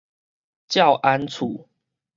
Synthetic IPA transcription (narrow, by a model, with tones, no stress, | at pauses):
t͡ɕja˥˨ʊʔa˦nt͡sʰu˨˩˦